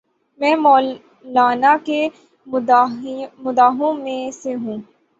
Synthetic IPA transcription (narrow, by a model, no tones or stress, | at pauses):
mɛ̃ːmɔː | laːnake | mʊd̪aːɦõmẽseɦũː